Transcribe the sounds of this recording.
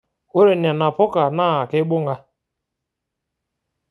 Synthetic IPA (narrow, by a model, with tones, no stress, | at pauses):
o˦ɾe˨n˨a˨na˨pʊ˦ka˨naː˦˨a˨ke˦ɓʊ˦ŋ˦ɡa˦